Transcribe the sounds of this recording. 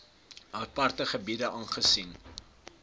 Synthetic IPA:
əpɐrtəχəbidəʔɑːnχəsin

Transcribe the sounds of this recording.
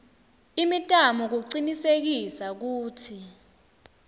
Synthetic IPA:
imitʼamɔk̬uǀinisek̬isak̬uːtʰi

